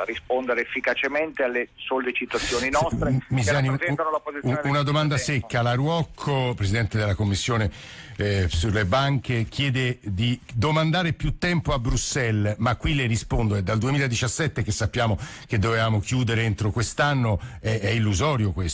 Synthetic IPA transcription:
rispond̪eɾeefːikat͡ʃement̪ealːesolet͡ʃit̪at̪sːjoːninɔst̪ɾmizaniɛt̪anolapoziunad̪omand̪asekːalaɾwɔkʰːopɾezid̪ɛnt̪ed̪elakomːisːjoːne | sulːebaŋkek̟ʰjɛːd̪ed̪id̪omand̪aːɾepjut̪ːɛmpoabɾusɛlmakːwileɾispond̪oed̪ald̪uemiːlaed̪it͡ʃasːɛt̪ːek̟esːapːjaːmo | k̟ed̪ːovevaːmokjuːd̪eɾeent̪ɾokwest̪anːoɛɛilːuzɔːɾjokwes

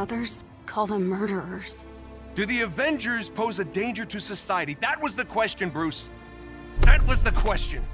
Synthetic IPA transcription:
ʌðə˞z̥ | kʰɔlˠdə̃mmɜ˞ɾə˞ə˞z̥ | d̥ɨðiɨvɛ̃nd͡ʒə˞z̥pʰoʊzɨdẽɪ̃nd͡ʒə˞ɾɨsɨsaɪɨɾiðɨt̚wʌzðɨkʰw̥ɛst͡ʃɨ̃nbɹʉs | ðɨt̚wʌzðɨkʰw̥ɛst͡ʃɨ̃n

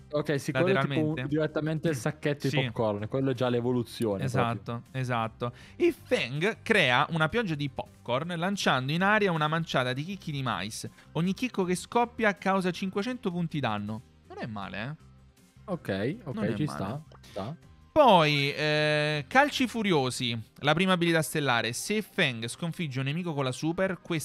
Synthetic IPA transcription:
okːɛjsiklaweleɾalmeed̪iɾet̪ːament̪elsakːet̪ːod̪ispopkːɔrnkwelːoɛd͡ʒːalːevolut̪sːjoːnezatt̪ːoezat̪ːo | ilfɛŋɡkɾɛːaʔunapjɔd͡ʒːad̪ipɔp̚kɔrnlant͡ʃand̪oinaːɾjaunamant͡ʃaːt̪ad̪ik̟ikːid̪ima̰js | oɲːik̟ːikːokeskɔpːjakawzat͡ʃiŋkwet͡ʃɛnt̪opunt̪id̪a̰nːo | nonɛmːa̰ːlḛɛ | okɛjonoɛɛ̰imsːa̰t͡ʃit̪apɔj | kalt͡ʃifuɾjoːzilapɾiːmabilit̪ast̪elːa̰ːɾesefɛŋɡskoɱfid͡ʒːaunːemiːkokonlasuːperkwes

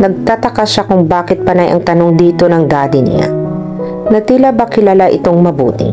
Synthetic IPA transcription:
nɐɡ̚t̪at̪ɐkaʃakʊŋbaːkɪt̪̚pɐnajʔɐ̰ŋt̪ɐno̞ŋd̪iːt̪o̞nɐŋd̪aːd̪ɪnɪ̰a̰ | nɐt̪ilabɐkɪlalaʔɪ̰t̪o̞ŋmɐbṵːt̪ɪ̰

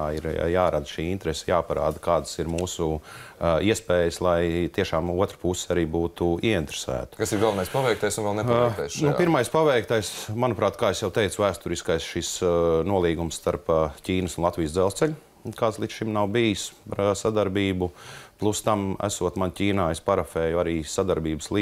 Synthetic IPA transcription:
aiɾjaːɾad̪ʃiːint̪ɾɛsɛ̥jaːpaɾa̰ːd̪kaːd̪əsiɾmuːsu | iɛspɛːjəslˠajt̪iɛʃaːmuɔt̪ɾpusaɾiːbuːt̪uiɛint̪ɾe̥sæ̰ːt̪kasiɾɡalˠʋɐnajspaʋɛjkt̪ajsunvɛlˠnɛpɛt̪ɛjsʃnṵpiɾmajspaʋɛjkt̪ajsmanupɾaːt̪kaːesjawt̪ɛjt̪sʊvæːst̪uɾiskajsʃisnuɔlˠiːɡumsːt̪aɾpcʲiːnəsunlˠat̪ʋʲiːjsd̪zɛlˠst̪sɛʎʲu | kaːt̪slˠit̪sʃimnawbijispaɾsad̪aɾbiːbuplˠust̪amæ̰suɔt̪mancʲiːnaːespaɾafɛːjuaɾiːsad̪aɾbiːbəslˠi

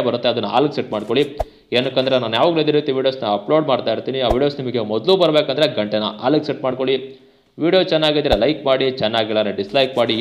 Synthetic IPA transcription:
bɐɾut̪ːeɐd̪ɐnːɐa̰ːlɐkseʈmaːɽkoɭi | eːnːɐkːɐnd̪ɾenaːnujaːʋuːɡɐled̪iɾit̪iʋiːɽijoːsnɐɐploːɖmaːɽt̪aːjiɾt̪iːniaːʋiːɖijoːsnimɐɡemɔd̪luːbɐɾbeːkɐnd̪ɾeɡɐɳʈenɐ̰a̰ːlɐkseʈmaːɽko̞ɭi | ʋiːɽijot͡ʃɛnːaːɡid̪ɾelɐjkmaːɽit͡ʃɛnːaːɡilːɐneɖislɐjkmaːɽi

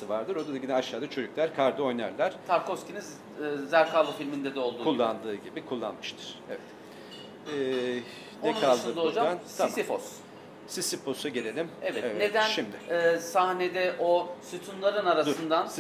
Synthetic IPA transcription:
ɯvaɾd̪ɯɾo̞d̪ad̪aɟinɛaʃaːd̪at͡ʃʰød͡ʒycʲlʲæɾkʰaɾd̪ɯo̞jna̰ɾlʲæɾ̥t̪ʰaɾkosciniz | zæɾkalˠofilʲmind̪ɛd̪ɛo̞lˠd̪ukulˠːand̪ɯːɟibikʰulˠːa̰nmɯʃt̪ʰɯ̥ɾ̥evɛt̪ | ɛː | nɛkʰalˠd̪ɯd̪od͡ʒaant̪ʰamsifos | sisifo̞saɟelʲe̞lʲimevɛt̪evɛne̞d̪ænʃimd̪ɪɛːsahne̞d̪ɛʔosɯt̪ʰunlˠaɾɯnaɾasɯnnd̪ans

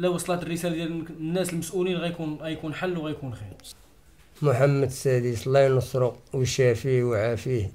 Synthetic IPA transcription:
læwɑsˤlɑt̪ərːəsælæd̪jælnːæsəlməsʔulinɣæjkunɣæjkunħalːwɣæjkunxiɾ | mʊħamːəd̪sæd̪islɑjnəsˤɾˤoqwəʃæfiwʕafih

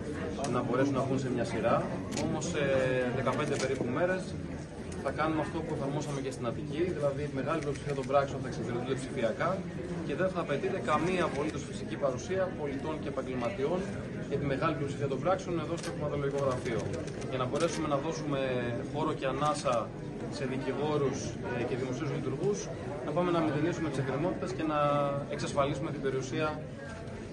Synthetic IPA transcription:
nɐbo̞ɾe̞sunɐɣuns̬e̞mɲɐsiɾɐo̞mo̞seðe̞kɐpend̪e̞pe̞ɾipume̞ɾe̞s | θɐkɐnumeɐft̪o̞pueθɐɾmo̞sɐme̞cest̪inɐt̪iciðilɐðit̪ime̞ɣɐlipliopsi̥fiɐt̪o̞bɾɐksio̞nθɐeksefiɾit̪und̪epsifiɐkɐ | ce̞ðe̞nθɐːpe̞t̪it̪e̞kɐmiɐːpo̞lit̪usfisicipɐɾusiɐpo̞lit̪o̞nce̞ːpɐɲɟelmɐt̪io̞n | ʝɐt̪ime̞ɣɐlipliopsi̥fiɐt̪o̞mbɾɐksione̞ðo̞st̪opipɐðoloiko̞ɣɾɐfio̞ | ʝɐnɐbo̞ɾe̞sume̞nɐðo̞sume̞xo̞ɾo̞ce̞ɐnɐsɐ | se̞ðiciɣo̞ɾus | ce̞ðimo̞siuzlit̪uɾɣus | nɐpɐme̞nɐmet̪enisume̞t̪iseɡɾemo̞t̪i̥t̪e̞sce̞nɐe̞ksɐsfɐlisume̞t̪ibe̞ɾiusiɐ

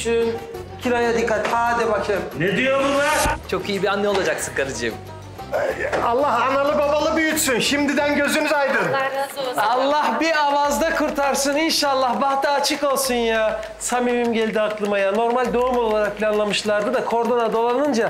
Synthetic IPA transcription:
ʃyncʰilʲajad̪ikːat̪haːd̪ɛbat͡ʃʰɯned̪ijobulaɾt͡ʃʰo̞kijibianːɛo̞lˠad͡ʒaksɯkaɾɯd͡ʒɯ̰m | alˠːaɦanalˠɯbabalˠɯbyjyt̪synʃimd̪id̪ænɟø̞zynyzajd̪ɯn | alˠːahbiavazd̪akʰɯɾt̪ʰaɾsɯninʃaːlˠːahbaxt̪aːt͡ʃʰɯkolˠsunja | samimimɟelʲd̪iaklˠɯmajano̞ɾmalʲd̪oumo̞lˠlˠaɾak̚pʰilʲanlˠamɯʃlˠaɾd̪ɯd̪akʰo̞ɾd̪onad̪o̞lˠanɯnd͡ʒa

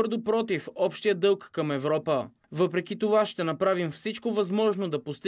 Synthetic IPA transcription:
ɾd̪opɾɔt̪ifɔpʃt̪ijəd̪ɤlˠkːɐmɛvɾɔpə | vɤpɾɛkit̪ovaʃt̪ɛnɐpɾavimfsit͡ʃkovɐzmɔʒnod̪ɐpost̪

